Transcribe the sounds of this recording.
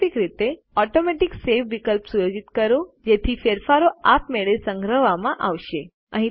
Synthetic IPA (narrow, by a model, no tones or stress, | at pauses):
ikɾit̪e | ɔʈomɛʈiksefʋikəlpsujod͡ʒit̪kəɾod͡ʒet̪ʰifeɾfaɾoapmeɭesəŋɡɾəʋamãʔaʋʃe | ə̰ɦĩ